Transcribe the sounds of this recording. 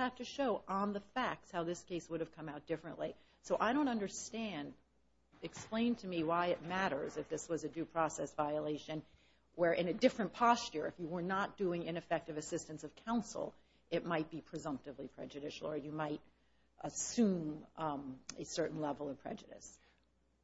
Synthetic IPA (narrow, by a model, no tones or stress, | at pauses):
hæftɨʃoʊʔə̃nðəfæk̚tshaʊðɪskʰeɪswʊɾɨv̥kʰʌ̃maʊt̚d̥ɪfɹɨ̰̃nʔli | soʊʔaɪɾõʊ̃ntʌ̃ndə˞stæ̃nd | ɨksplẽɪ̃ntʰɨmiwaɪɨt̚mæɾə̰˞zɨfðɪswʌzɨdʉpʰɹ̥ɔsɛsvaɪəleɪʃɨ̃n | wə˞ʔɨ̃nɨdɪfɹɨ̃npʰɑst͡ʃə̰˞ɨfjɨwə˞nət̚d̥ʉɪ̃ŋɨ̃ñɨfɛk̚tʌvɨsɪstɨ̃nsʌv̥kʰãʊ̃nsl̩ˠ | ɨt̚maɪt̚b̥ipʰɹ̥izʌ̃mp̚tɨvlipʰɹ̥ɛ̰d͡ʒɨɾɪʃl̩ˠə˞jɨmaɪɾ | ʔəsʉ̃m | ɨsɜ˞ʔn̩lɛvl̩ˠʌv̥pʰɹ̥ɛ̰d͡ʒɨɾɨ̰s